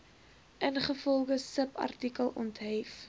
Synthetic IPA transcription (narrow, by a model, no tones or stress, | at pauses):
ʔənχəfɔlˠɡəsəpɐ̰rtikəlˠʔɔ̰ntɦɛf